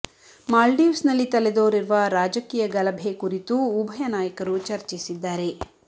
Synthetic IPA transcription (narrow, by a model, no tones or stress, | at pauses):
maːlɖiusnɐlːit̪ɐled̪o̞ːɾiɾʋɐɾaːd͡ʒɐkiːjɐɡɐlɐbʱekuɾit̪uːbʱɐjɐnaːjɐkɐɾut͡ʃɐɾt͡ʃisid̪ːaːɾe̞